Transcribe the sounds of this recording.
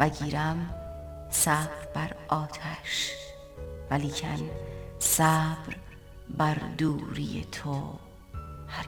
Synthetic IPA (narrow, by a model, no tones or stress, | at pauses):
væɟiːɾæm | sæb̥ɾbæɾʔɒːt̪ʰæʃ | væliːcʰænsæbɾ | bæɾd̪uːɾḭjḛt̪ʰo | hæ